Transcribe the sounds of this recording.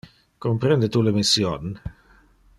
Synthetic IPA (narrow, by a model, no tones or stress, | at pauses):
kompɾɛnd̪et̪ulemisjon